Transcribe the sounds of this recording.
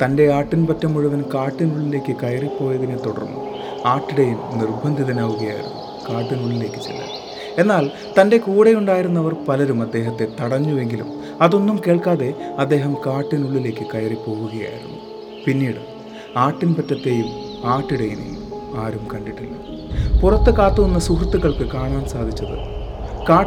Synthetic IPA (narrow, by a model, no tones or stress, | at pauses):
t̪ɐnde̞aːʈːinpɐtːɐmːuɻuʋɐnkaːʈːinuɭːile̞ːkʲːɨkɐjripːo̞ːjɐðinet̪oɽɐ̰rnːṵ | aːʈːiɽɐjumnirbʱɐnd̪ʱiðɐnaːʋuɣɐja̰ːjḭɾṵnːu | kaːʈːinuɭːile̞ːkʲːɨt̪ḭlːɐ̰j | e̞nːaːl | t̪ɐnde̞kuːɽejuɳɖaːjiɾunːɐʋɐrpɐlɐɾumɐd̪ːe̞ːɦɐt̪ːe̞t̪ɐɽɐɲːue̞ŋɡilṵm | ɐðo̞nːumke̞ːɭkaːðe̞ɐd̪ːe̞ːɦɐmkaːʈːinuɭːile̞ːkːɨkɐjripo̞ːɣuɣɐja̰ːjḭɾṵnːu | pinːiːɽu | aːʈːinpɐtːɐt̪ːe̞ːjum | aːʈːiɽɐjinḭjṵmaːɾumkɐɳɖiʈːilːɐpurɐt̪ːɨkaːt̪ːuʋɐnːɐsukrɐt̪ːuɣɐɭkɨkaːɳaːnsaːd̪ʱit͡ɕːɐðɨ̰kaː